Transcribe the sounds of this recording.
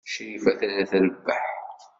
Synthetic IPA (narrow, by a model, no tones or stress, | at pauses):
ʃɾifæθælæθælbːaħθ